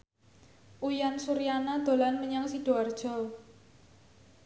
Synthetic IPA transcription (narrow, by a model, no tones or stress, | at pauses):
ʔujansuɾianad̪̥o̤lanməɲaŋsiɖ̥o̤ard̥ʒ̥ɔ̤